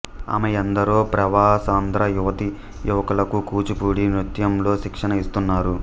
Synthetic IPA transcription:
a̰mejɐnd̪ɐɾoːpɾɐʋaːsaːnd̪ɾɐjuʋɐt̪i | juʋɐkɐlɐkukuːt͡ʃupuːɽimɾut̪jɐmlo̞ːʃikʂɐnɐist̪unːaːɾu

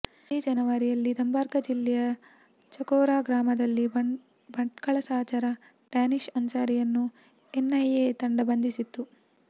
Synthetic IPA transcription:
id͡ʒɐnɐʋɐɾijɐlːid̪ɐmbaːɾɡɐd͡ʒilːɛjɐ | t͡ʃɐkoːɾaːɡɾaːmɐd̪ɐlːi | bɐɳʈkɐɭɐsaːt͡ʃɐɾɐ | ɖaːniʂɐnt͡ʃaːɾijɐnːu | enːɐjeːt̪ɐɳɖɐbɐnd̪isit̪ːu

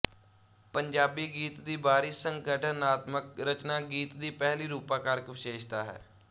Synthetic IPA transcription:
pəɲd͡ʒaːbiːɡiːt̪d̪iːbaːɾiːsəŋkəʈənaːt̪məkɾət͡ʃnaːɡiːt̪d̪iːpɛːɦliːɾuːpãːkəɾkʋɪʃeːʃt̪aːɦɛ̰ː

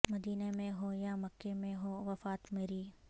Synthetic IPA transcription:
mɐd̪iːnemẽɦojamɐkːemẽɦoʋɐfaːt̪meːɾiː

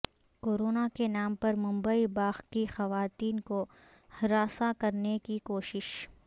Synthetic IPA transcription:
koːɾoːnakenaːmpɐɾmʊ̃mbəibaːxkixɐʋaːt̪iːnko | hɾaːsakɐɾnekikoːʃɪʃ

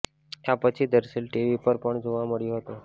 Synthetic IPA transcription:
japət͡ɕʰid̪əɾselʈiʋipəɾpəɳd͡ʑʱoʋaməɭijoɦot̪o

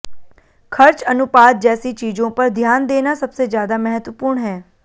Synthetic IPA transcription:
kʰɐɾt͡ʃənʊpaːt̪̚d͡ʒɛːsit͡ʃiːd͡ʒõpɐɾd̪ʱjaːnd̪eːnasɐbsezjaːd̪amɛɦət̪ʋəpuːɾɳɦɛː

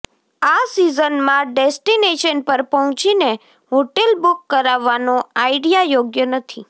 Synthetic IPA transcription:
asizənmãɖesʈineʃənpəɾpəɦɔ̃t͡ʃine | ɦoʈelbukːəɾaʋːanoaiɖijajoɡjənət̪ʰi

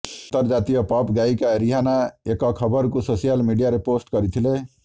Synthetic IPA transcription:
t̪əɾd͡ʒat̪ijɔpɔpɡaikaɾiɦanaekɔkʰəbəɾk̬usosijəlmiɖijaɾeposʈkʌɾit̪ʰile

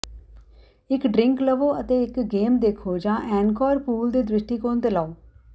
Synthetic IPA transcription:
ɪkɖɾɪŋkləʋoːət̪eːɪkɡeːmd̪eːkʰoːd͡ʒãːʔɛ̃ːnkɔːɾpuːld̪iːd̪ɾɪʃʈiːkoːnt̪eːlaːoː

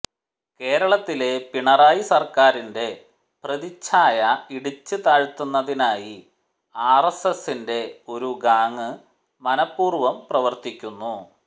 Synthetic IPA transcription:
ke̞ːɾɐɭɐt̪ːile̞piɳɐraːjisɐrkaːɾinde̞ | prɐðit͡ɕʰːaːjɐiɽit͡ɕːɨt̪aːɻt̪ːunːɐðinaːji | aːresesinde̞o̞ɾuɡaːŋːɨ | mɐnɐpːuːrʋɐmprɐʋɐrt̪ikʲːunːu

